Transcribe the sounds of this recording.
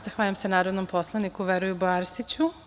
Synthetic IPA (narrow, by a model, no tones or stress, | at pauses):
zaxʋaːʎamsenaːɾod̪nompʰo̞slˠanikuʋeɾujuboaɾst̪it͡ɕu